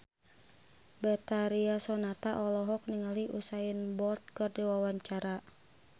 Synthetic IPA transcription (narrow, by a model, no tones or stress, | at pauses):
bɛt̪aɾiasɔnat̪aʔɔlɔɦɔk̚niŋaliʔusajənbɔlt̪̚kɨrdiwawaɲt͡ʃaɾa